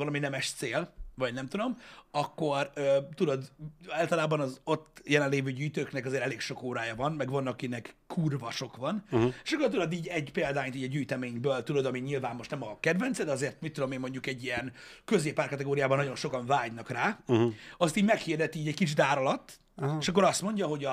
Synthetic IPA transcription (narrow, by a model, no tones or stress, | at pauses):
vɒlɒminɛmɛʃt̪seːlvɒɟnɛmt̪ud̪o̞mɒkːo̞røːt̪ud̪o̞d̪aːlt̪ɒlaːbɒnɒzo̞t̪ːjɛlɛnleːvøːɟyːjt̪øːknɛkɒzeːɾɛleːkʃo̞koːɾaːjɒvɒnmɛɡʋɒnːɒkinɛkːʰurvɒʃo̞kʋɒneːʃɒkːort̪ud̪o̞d̪iːɟɛɟpeːld̪aːɲt̪iːɟɒɟyːjt̪ɛmeːɲbøːlt̪ud̪o̞d̪ɒmiɲilvaːmːo̞ʃt̪nɛmɒkɛd̪vɛnt̪sɛd̪ɛɒzeːrt̪mit̪ːud̪o̞meːmːo̞ɲɟukɛɟːiɛnkø̞zeːpːaːrkɒt̪ɛɡoːɾijaːbɒnːɒɟo̞nʃo̞kɒɱvaːɟnɒkraː | ɒst̪iːɟmɛkhiːrd̪ɛt̪iːɟɛckit͡ʃd̪aːɾɒlɒt̪ː | eʃɒk̬ːo̞ɾɒst̪mo̞ɲɟɒɦo̞ɟɒ